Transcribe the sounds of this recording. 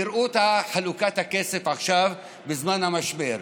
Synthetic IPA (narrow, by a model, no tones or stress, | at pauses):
iɾʔut̪aħalukat̪hake̞sefaχʃav | bezmanhamaʃbe̞ɾ